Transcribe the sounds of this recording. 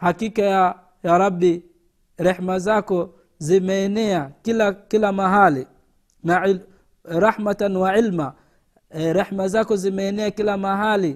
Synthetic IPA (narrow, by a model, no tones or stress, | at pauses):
hakikaja | jaɾˤɑbi | ɾɛħmazakɔ | zimɛːnɛakilakilamaɦali | nai | ɾɑħmatanwaʕilma | ɾɛħmazakɔzimɛːnɛakilamaɦali